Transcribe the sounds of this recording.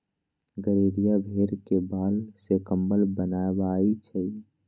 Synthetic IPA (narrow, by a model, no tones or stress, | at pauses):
ɡəɾiːɾijabʱeɾkebaːlsekəmbəlbənaebait͡ʃʰɛ